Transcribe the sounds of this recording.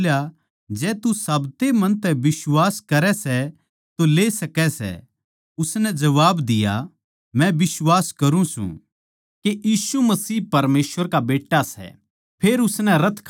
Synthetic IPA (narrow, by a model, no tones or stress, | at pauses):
lja | d͡ʒɛːt̪usɐbt̪emɐ̃nt̪ɛbɪswaːskɐɾɛsɛ | t̪oleːsɐkɛsɛ̰ | ʊsnɛd͡ʒɐʋaːbd̪ɪja̰ | mɛ̃bɪswaːskɐɾũsṵ̃ | kejiːsumɐsiːpɐɾmeːsʋəɾkabeːʈːasɛ̰ | pʰeːɾʊsnɛɾɐt̪ʰkʰ